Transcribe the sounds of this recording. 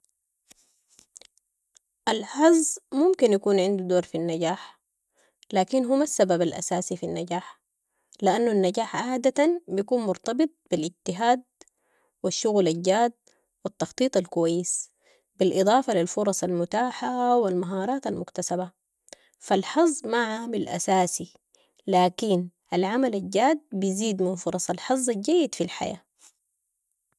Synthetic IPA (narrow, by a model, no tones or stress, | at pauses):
ʔalħɑzˤːmʊmkinjakuːnʕɪnd̪ud̪oːɾfinːaɟaːħ | laːkinɦʊmasːababalʔa̰saːsifinːaɟaːħ | lɪʔanːuanːaɟaːħʕaʕd̪at̪anbijakuːnmʊɾt̪ɑbɨt̪̚ˤb̥ilʔɪɟt̪ɪɦaːd̪̚ | wiʃːʊɣlaɟaːd̪̚ | wɪt̪ːɑxt̪ˤiːt̪ˤalkuwajːɪs | bilʔɨd̪ˤɑːfalilfʊɾˤɑsˤalmʊt̪aːħawalmaɦɑːɾˤɑːt̪almʊkt̪asaba | falħɑzˤːmaʕaːmilʔa̰saːsi | laːkinʔalʕamalalɟaːd̪̚bijziːd̪mɪnfʊɾˤɑsˤɑlħɑzˤːalɟajːɪd̪filħa̰ja̰ː